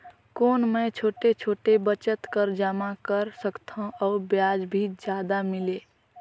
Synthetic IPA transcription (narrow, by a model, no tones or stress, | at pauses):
koːnmə̃t͡ʃʰoːʈet͡ʃʰoːʈebət͡ʃət̪kəɾd͡ʒamakəɾsəkt̪ʰõɔːɾbjad͡ʒbʱid͡ʒjad̪amile